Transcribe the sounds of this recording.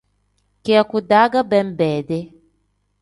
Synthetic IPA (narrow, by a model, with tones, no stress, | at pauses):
kɛ˦a˨ku˨da˨˦ɡa˦bɛ˦m̩˦bɛ˨de˦